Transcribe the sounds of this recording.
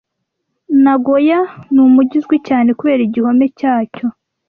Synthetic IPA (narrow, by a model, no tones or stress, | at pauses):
naɡo̞januːmuɟizɡwicaːne̞kuβe̞ːɾiɟiho̞me̞caːco̞